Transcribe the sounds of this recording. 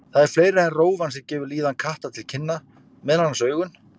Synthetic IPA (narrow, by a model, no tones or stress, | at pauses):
θaðɛɾ̥fleːjɾɪɛnroːwvansɛmcɛːvʏɾliːðankʰaht̪at̪ʰɪlcʰɪnːa | mɛðnhanːasœːɥɣʏn